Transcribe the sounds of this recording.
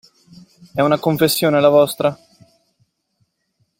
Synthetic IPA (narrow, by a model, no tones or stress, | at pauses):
ɛunakoɱfesːjoːnelavɔst̪ɾa